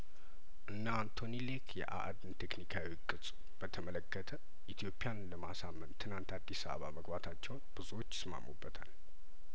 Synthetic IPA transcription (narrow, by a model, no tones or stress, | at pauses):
ʔɨnːant̪ʰo̞nilekʰjɛ̰ʔa̰ʔd̪ɨnt̪ʰeknikʰawikʼɨt͡sʼ | b̥ət̪ʰəmələkːət̪ʰə | ʔit̪ʰjo̞pʼijanləmasamːənt̪ʰːɨnant̪ad̪ːisaβə̰βa̰məɡbat̪ʰat͡ʃːɛwnb̥ɨzuwo̞t͡ʃːsɨma̰mːubːət̪ʰal